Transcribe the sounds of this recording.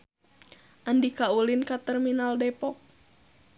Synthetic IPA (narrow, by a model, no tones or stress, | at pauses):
ʔandikaulinkat̪ɛrminaldɛpɔk̚